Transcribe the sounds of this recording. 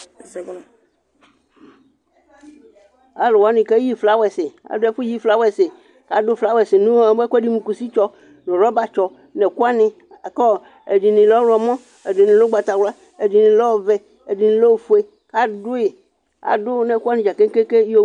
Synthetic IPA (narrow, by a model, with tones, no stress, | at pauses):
a˨lʊ˨wa˦nɪ̃˨ka˦ji˦fla˨˦wɛ˨sɪ˨a̰˨dʊ˦ɛ˦fʊ˦ji˦fla˦wɛ˨sɪ˨ | ka˨dʊ˦fla˦wɛ˨sɪ˨nʊ̃˦ɛ˦kɔ˦di˦mũ˨ku˨si˦t͡ʃɔ˦ | nʊ̃˨ɾɔ˦ba˦t͡ʃɔ˨ | nɛ˨ku˦a˦nɪ̃˦˨ | kɔ˦ | e˨di˨nɪ̃˨lɔ˦ɾɔ˨mɔ̃˦ | e˨di˨nɪ̃˨lo˦ɡ͡ba˨t̪a˨wla˦ | e˨di˨nɪ̃˨lɔ˦˨vɛ˨ | e˨di˨nɪ̃˨lo˦˨fu˦e˦ | ka˦dʊ˦ɪ˨ | a̰˨dʊ˦nɛ˨ku˦a˦nɪ̃˦˨d͡ʒa˨ke˦ŋ˦ke˦ke˦o˦